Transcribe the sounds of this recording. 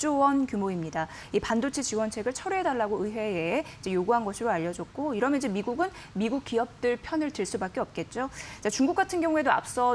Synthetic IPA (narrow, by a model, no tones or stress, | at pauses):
t͡ɕ͈owʌnkjumoimɲida | ipandot͡ɕʰet͡ɕiwʌnt͡ɕʰe̞ɡɯɭt͡ɕʰʌɾuɦedaɭːaɡoɯɸwe̞eid͡ʑe̞joɡuɦanɡʌɕʰiɾoaʎːʌd͡ʑʌk̚k͈oiɾʌmjʌnid͡ʑemiɡuɡɯn | miɡuk̚k͈iʌp̚t͈ɯɭpʰjʌnɯɭtɯɭs͈ubak͈eʌp̚k͈e̞t̚t͡ɕ͈ot͡ɕat͡ɕuŋɡuk͈atʰɯnɡjʌŋue̞doa̰p̚s͈ʌ